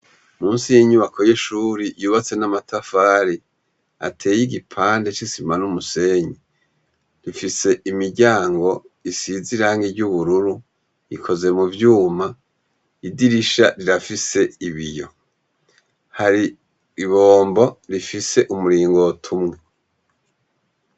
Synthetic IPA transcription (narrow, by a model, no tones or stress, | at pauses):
muːnsijeɲuβakʰo̞jeʃuːɾijuːβat͡se̞namatafaːɾi | a̰tʰe̞ːjiɡipʰaːnde̞t͡ʃisimanumuse̞ɲi | ɾifise̞ʔimiɾɟaːŋɡo̞ | isiziɾaːŋɡiɾɟuβuɾuɾu | ikʰo̞ze̞muvjuːma | idiɾiʃaɾiɾafise̞iβijo̞̰ | haɾi | iβo̞ːmbo̞ɾifise̞ʔumuɾiːŋɡotʰumŋe̞